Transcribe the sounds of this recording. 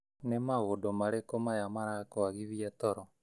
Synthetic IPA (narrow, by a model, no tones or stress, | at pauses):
nemaɣodomaɾekomajamaɾakoaɣiðiatɔɾɔ